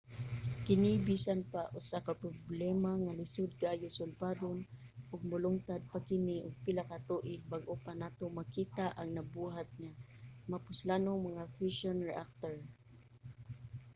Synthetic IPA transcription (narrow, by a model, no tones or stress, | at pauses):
kɪnɪbisanpaʔʊsakapɾʊblɛmaŋalɪsʊd̪̚kaʔajʊsʊlbaːd̪on | ʔʊɡ̚mʊlʊŋt̪ad̪̚pakɪnɪʔʊɡ̚pɪlakat̪uʔɪbaɡʔʊpanat̪omakiːt̪aʔaŋnabuɦat̪̚ɲamapʊslanoŋmaŋafɪʃonɹɛʔak̚t̪oɹ